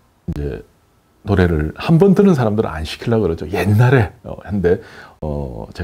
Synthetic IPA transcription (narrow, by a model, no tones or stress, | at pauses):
ind͡ʑe̞̰ | noɾe̞ɾɯɭhambʌntɯnɯns̬ʰaɾamdɯɾɯ̰a̰nɕʰi̥kʰiɭːaɡkɯɾʌt̚t͡ɕ͈oje̞nːaɾe̞ʌ̰hande̞ʌ̰t͡ɕe